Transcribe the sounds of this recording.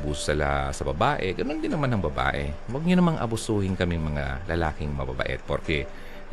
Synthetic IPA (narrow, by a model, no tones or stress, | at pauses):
buːssɐla̰sɐbɐbaːʔɛɡɐnond̪ɪnːɐmanhɐŋbɐba̰ːʔɛ̰ | wɐɡ̚ɲʊnɐmaŋʔɐ̰bʊsuːhɪnkɐmɪŋmɐŋalɐlaːkɪŋmɐba̰bɐ̰ʔɛ̰t̪̚pɐɾkɛ